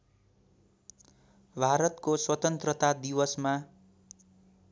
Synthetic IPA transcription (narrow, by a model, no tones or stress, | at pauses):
bʱaɾʌt̪koswʌt̪ʌnt̪rʌt̪ad̪iwʌsma